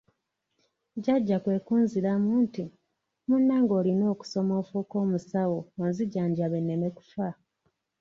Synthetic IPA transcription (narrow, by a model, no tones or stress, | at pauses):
ɟaɟːakwe̞ːkuːnziɾamuːnti | munːaːŋɡo̞ːlino̞ːku̥so̞mo̞ːfuko̞ːmusawoonziɟaːɲɟaβenːemeku̥fa